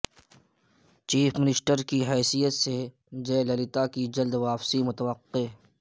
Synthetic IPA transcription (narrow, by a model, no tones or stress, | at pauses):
t͡ʃiːpʰmɪnɪsʈəɾkiɦɛːsijət̪se | d͡ʒeːlɐlɪt̪akid͡ʒɐld̪ʋaːfsimʊt̪əʋəqːe